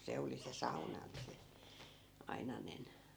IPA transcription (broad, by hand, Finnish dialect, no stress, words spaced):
se oli se sɑunɑ ni se ɑinɑnen